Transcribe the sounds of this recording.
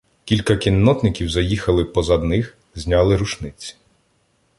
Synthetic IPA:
kʲilʲkɐkʲinːɔt̪nɪkʲiwzɐjixɐlˠɪpɔzɐd̪nɪx | zʲnʲɑlˠɪɾuʃnɪt͡sʲːi̥

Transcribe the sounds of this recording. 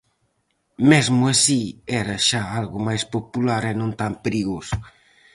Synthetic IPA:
mɛzmʊɐsiɛɾɐʃaalɣʊmajspopulaɾɛnõnt̪ampeɾiɣosʊ̥

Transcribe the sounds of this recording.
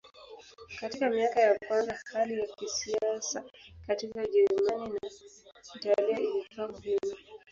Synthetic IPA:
katikamiakajakwanzahalijakisiasakatikaʄɛɾumaninaitalɛɔilitɔavima

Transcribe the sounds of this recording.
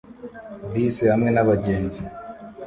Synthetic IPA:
biːsehamŋe̞naβaɟe̞ːnzi

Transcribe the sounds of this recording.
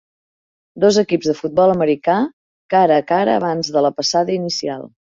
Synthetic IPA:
d̪ɔzəkipzðəfut̪̚bɔlˠəməɾika | kaɾəkaɾə̰ːβ̞anzðələpəsaðəinisialˠ

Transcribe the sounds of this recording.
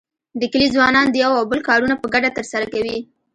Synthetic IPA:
d̪əkəlizwɑnɑnd̪əjawawbəlkɑɾunapəɡaɖat̪əɾsaɾakawi

